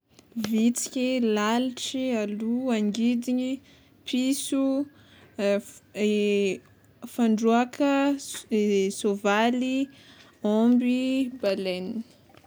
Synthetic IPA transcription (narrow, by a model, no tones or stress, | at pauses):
vit͡si̥kʲilaliʈ͡ʂialuaŋɡid̪iɲi | pʰisu | faɳɖ͡ʐuakʰə | sovali | ɔmbibaleni̥